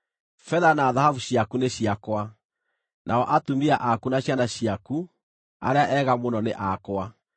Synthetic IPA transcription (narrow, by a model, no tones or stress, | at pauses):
fɛðanaːðahavuɕiakuneɕiakwa | nʔaɔʔatumiaʔakunaɕjanaɕiaku | a̰ɾeaʔɛːɣamonɔneʔakwa